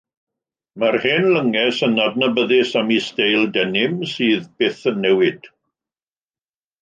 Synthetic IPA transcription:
marheːnləŋɛsənad̚nəbəðɪsamistejlˠdɛnɪmsiːðbɪθənːɛwɪd̥

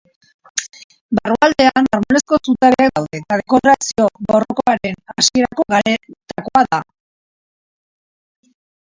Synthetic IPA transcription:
baruald̪e̞anarmone̞sko̞sut̪aɾeak̚d̪awðe̞t̪aðe̞ko̞ɾasio̞βo̞roko̞aɾe̞nasie̞ɾako̞ɣat̪ako̞aða

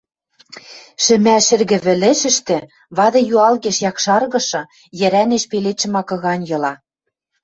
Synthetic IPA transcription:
ʃɘ̆mæʃɘ̆rɣɘ̆βɘ̆lɘ̆ʃɘ̆ʃt̪ɘ̆ | βɑðɤ̆juɑlɣeʃjɑkʃɑrɣɤ̆ʃɤ̆ | jɘ̆ɾæneʃpeleʃɘ̆mɑkɤ̆ɣɑnʲjɤ̆lɑ

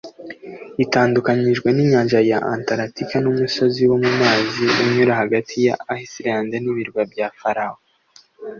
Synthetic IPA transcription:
itaːndukaɲiʒɡweniɲaːnʒajaʔantaɾatikanumusoziwo̞mumaːziuɲuɾahaɡatʰija̰ːhisiɾaːnzaniβiɾɡabɟafaɾaho

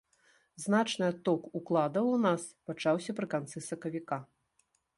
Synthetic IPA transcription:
znat͡ʂnɨat̪ɔkuklˠad̪ɐwnaspat͡ʂawsʲɐpɾɨkant̪sɨsɐkɐvʲika

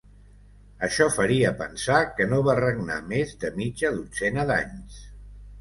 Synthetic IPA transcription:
əʃɔfəɾiəpənsakənoβarəɡna̰mezd̪əmid͡ʒəðusenəða̰ɲs

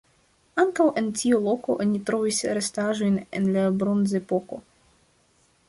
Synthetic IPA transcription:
aŋkawʔe̞ntiolo̞ko̞ʔonitɾo̞visɾestaʒo̞jne̞̰nlabɾo̞nzepo̞ko̞̰

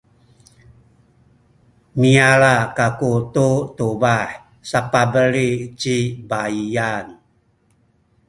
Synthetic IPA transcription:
miaɾakakututuβaħ | sapabəlit͡ʃibaian

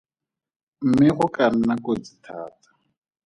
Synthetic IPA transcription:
m̩mɪχʊkan̩nakod͡zitʰa̰ːtḁ

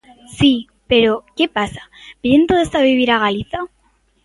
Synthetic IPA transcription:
si | pe̞ɾo̞ke̞pasḁbjent̪oðesaβiβiɾaɣ̞aliθa

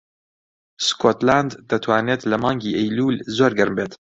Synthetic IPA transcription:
skʰot̪land̪ːɐt̪ʰwaːneːt̪lɐmɑːŋɡiːʔɛjluːlzoːɾɡɨɾmbeːt̪

